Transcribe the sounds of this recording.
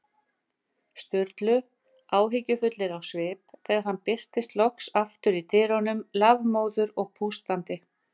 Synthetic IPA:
st̪ʏɾt̪lʏ | aːwɦɪcʏfʏt̪lɪɾawsvɪːpθɛːɣaɾ̥hanːpɪr̥t̪ɪst̪lɔksaft̪ʏɾit̪ʰɪːɾɔnʏmlavmoːwðʏɾɔɣpʰust̪ant̪ɪ

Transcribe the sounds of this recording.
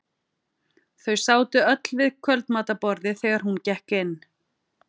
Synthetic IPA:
θœɥsaːwt̪ʏœt̪lvɪðkʰvœlt̪maːt̪apɔɾðɪθɛːɣaɾ̥huncɛhkɪnː

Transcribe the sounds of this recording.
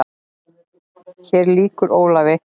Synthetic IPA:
çɛːɾliːkʏɾoːwlavɪ

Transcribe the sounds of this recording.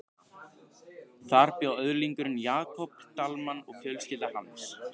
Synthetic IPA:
θaɾpjawœðɾliŋkʏɾʏnjaːkʰɔpt̪almanɔɣfjœlscɪlt̪ahans

